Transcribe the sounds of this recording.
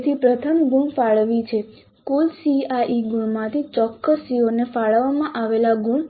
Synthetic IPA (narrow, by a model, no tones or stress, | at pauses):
t̪ʰipɾət̪ʰəmɡuɳfaɭʋit͡ʃʰe | kulsiaʔiɡuɳmãt̪ʰit͡ʃɔkːəsionefaɭʋamãʔaʋelaɡuɳ